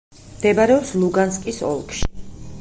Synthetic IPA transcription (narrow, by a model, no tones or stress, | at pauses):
md̪ɛbaɾɛɔpslˠuɡanskʼisɔ̰lˠkʼʃi̥